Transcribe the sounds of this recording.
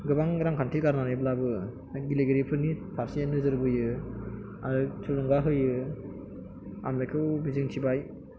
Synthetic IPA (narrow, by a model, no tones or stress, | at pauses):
ɡɯbaŋɾaŋkʰantʰiɡaɾnanɯjblabɯ | ɡileɡeɾipʰɯnipʰaɾsienɯzɯɾbɯjɯ | aɾɯt͡ʃʰuɾuŋɡaɦɯjɯ | a̰mekʰɯwbizɯŋtʰibaj